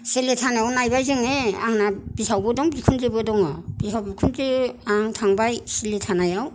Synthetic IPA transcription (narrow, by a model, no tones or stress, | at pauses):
seletʰanajawnajbajzɯŋeaŋnab̥isawbɯdɔŋbikʰunzebɯdɔŋɔb̥isawbikʰunzeaŋtʰaŋbajseletʰanajaw